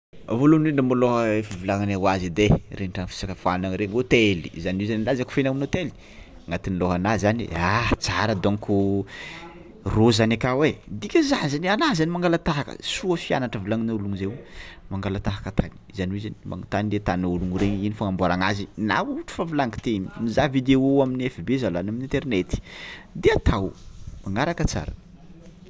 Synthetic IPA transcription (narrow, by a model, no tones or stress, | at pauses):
avoluneɳɖ͡ʐamuloɦəefivulaŋanawazid̪ereʈ͡ʂaŋfi̥sakəfanaŋɾeŋot̪eli̥̰zanizanilazaku̥fenamunot̪eli̥ | ŋat̪inlɔɦanazanḭat͡saɾəd̪oŋku | rozanakawed̪ikʲəzanizanianazanimaŋɡalat̪aɦakə̰suəfia̰naʈ͡ʂəvilaŋinauluŋzewmaŋɡalat̪aɦakət̪ʰani̥zaniwizanimʔa̰ŋt̪anilet̪anauluŋuɾeɲinifaŋambaɾaŋazina̰uʈ͡ʂu̥favilaŋki̥t̪eminizavid̪eoaminiefibezalanaminint̪eɾnet̪i̥d̪eat̪awmaŋaɾakət͡sa̰ɾə̰